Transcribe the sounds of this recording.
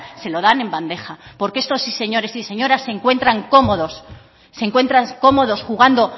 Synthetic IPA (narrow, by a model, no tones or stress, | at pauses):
se̞lo̞ðane̞mband̪e̞χapo̞ɾkee̞st̪o̞sise̞ɲo̞ɾe̞sise̞ɲo̞ɾasːe̞ŋkwe̞nt̪ɾaŋko̞mo̞ðosː | e̞ŋkwe̞nt̪ɾaŋko̞mo̞ðo̞sxuɣ̞and̪o̞